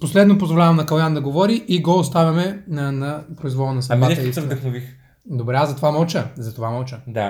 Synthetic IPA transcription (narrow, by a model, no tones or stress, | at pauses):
poslɛd̪nopozvolʲavɐmnɐkɐlˠjand̪ɐɡovɔɾiʔiɡɔːst̪avʲɐmɛnɐpɾoizvɔlˠənɐsɐbaɛisɛvdd̪ɐxnovix | d̪obɾɛazɐt̪ovamɔlˠt͡ʃəzɐt̪ovamɔlˠt͡ʃəd̪a